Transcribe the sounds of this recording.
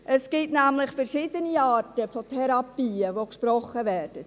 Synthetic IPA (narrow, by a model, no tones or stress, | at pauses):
ʔəsɡ̥ɪtnæmlɪχfɛɾʃɪːd̥əniɑːɾtəfotʰɛɾɑpiːəʋokʃpɾɔχːəvɛːɾd̥ə